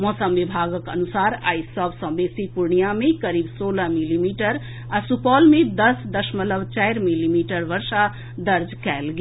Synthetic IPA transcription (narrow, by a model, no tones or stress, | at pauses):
mɔ̃səmbibʱaɡəkə̰nusaɾa̰jsəbsə̃mbesipuɾɳijamẽkəɾibsoləmilimiʈəɾ | asupɔlmẽd̪əsd̪əsmələbt͡ʃajɾmilimiʈəɾʋəɾsa | d̪əɾd͡ʒkɛlɡe